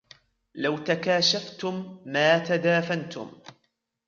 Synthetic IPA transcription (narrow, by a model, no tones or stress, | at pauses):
lawt̪akaːʃaft̪ʊmːaːt̪ad̪aːfant̪ʊ̰m